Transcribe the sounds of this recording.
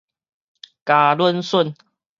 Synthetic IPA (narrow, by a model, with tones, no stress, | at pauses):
ka˨˩lwə˦nsə˥˨n